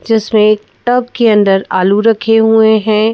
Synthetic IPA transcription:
d͡ʒɪsmẽːkʈɐb̚keɐ̃nd̪əɾaːluɾɐkʰeɦueɦɛ̃ː

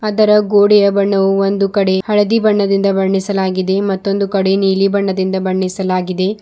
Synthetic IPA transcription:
ɐd̪ɐɾɐɡoːɽijɐbɐɳːɐʋuond̪ukɐɽe̞hɐɭɐd̪ibɐɳːɐd̪ind̪ɐbɐɳːisɐlaːɡid̪e̞mɐt̪ːo̞nd̪ukɐɽe̞niːlibɐɳːɐd̪ind̪ɐbɐɳːisɐlaːɡid̪e̞

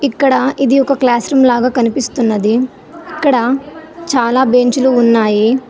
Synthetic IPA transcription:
ikːɐɽɐid̪iɔkɐklaːsɾumlaːɡaːkɐnipist̪unːɐd̪i | ikːɐɽɐt͡ʃaːlaːbeɲt͡ʃuluːnːaːji

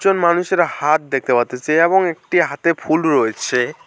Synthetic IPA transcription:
d͡ʑonmanuʃeɾahat̪̚d̪ek̚ʰt̪epaɾt̪et͡ɕaeeboŋek̚ʈiɦat̪epʰulɾoet͡ɕʰe

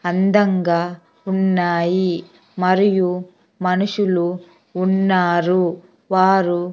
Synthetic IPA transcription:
ɐnd̪ɐŋɡaː | unːaːji | mɐɾiju | mɐnuʂuluː | nːaːɾu | ʋaːɾu

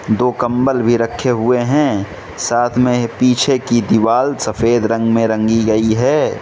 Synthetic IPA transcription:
d̪oːkə̃mbəlbʱiɾɐkʰːeɦʊeɦɛ̃ | saːt̪ʰmẽpiːt͡ʃʰekid̪iʋaːlsɐfeːd̪ɾɐ̃ŋɡmẽɾɐ̃ŋɡiɡɐiɦɛː

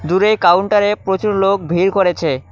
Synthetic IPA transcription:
d̪uɾejkawɳʈaɾepɾot͡ɕuɾlok̚bʱiɾkoɾet͡ɕʰe

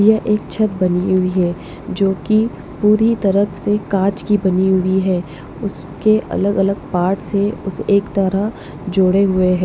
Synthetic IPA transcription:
jaʔeːk̚t͡ʃʰɐt̪̚bɐniɦʊiɦɛː | d͡ʒoːki | puːɾit̪ɐɾəksekaːt͡ʃkibɐniɦʊiɦɛː | ʊs | keʔɐ̰ləɡɐləɡ̚paːɾʈseʊseːkt̪ɐɾa | d͡ʒoːɽeɦʊeɦɛː

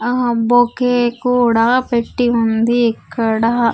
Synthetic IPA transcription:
bokeːkuːɽapeʈːiund̪iɛkːɐɽɐ

